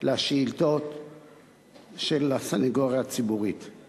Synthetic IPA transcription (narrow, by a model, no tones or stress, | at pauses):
leaʃeilt̪ot̪ | ʃelasanaɡoʁjaːt͡sibuʁit̪